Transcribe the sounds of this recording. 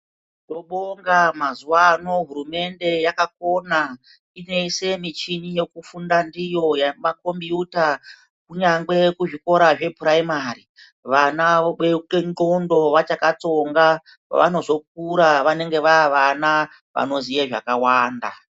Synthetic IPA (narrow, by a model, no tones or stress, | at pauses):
to̞ɓoŋɡamazuwano̞ɦuɾume̞nde̞jakako̞na | ine̞ise̞mit͡ʃiɲije̞kufundandijo̞jamako̞mbiuta | kuɲaŋɡe̞kuʐiko̞ɾaʐe̞praimari | ʋanaekenɡondo̞ʋat͡ʃakat͡so̞ŋɡa | ʋa̰no̞zo̞k̚uɾaʋane̞ŋɡe̞ʋaːʋana | ʋa̰no̞zijeʐa̰kawaːnda̰